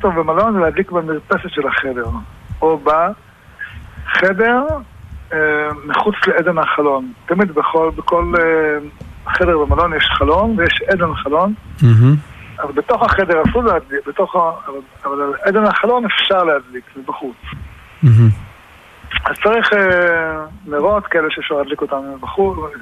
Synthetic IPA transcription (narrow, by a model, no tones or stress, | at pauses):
it̪ovbemalo̞nzelehad̪likbamiʁpeset̪ʃelaχed̪e̞ʁoba | χede̞ʁ | emiχut͡sleed̪enhaχalo̞nt̪amid̪beχolbeko̞le | χedeʁbemalo̞njeʃχalo̞nvejeʃed̪enχalo̞n̩ | avalbet̪o̞χhaχed̪eʁasullehad̪libet̪o̞χaval | avalalʔed̪enhaχalo̞nefʃaʁlehad̪likzebaχut͡s̩ | azt͡saʁiχe | liʁot̪kaeleʃeefʃaʁlhad̪liko̞t̪anebaχu